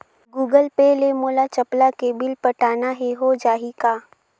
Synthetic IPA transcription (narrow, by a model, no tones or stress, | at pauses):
ɡuːɡəlpelemoːlat͡ʃɐplakebɪlpɐʈaːnaɦɛɦod͡ʒaːɦikaː